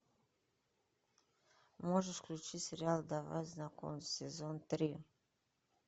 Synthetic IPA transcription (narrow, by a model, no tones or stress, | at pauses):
moʒeʃklʲut͡ʃiseɾjald̪ava̰znako̰nsezont̪ɾio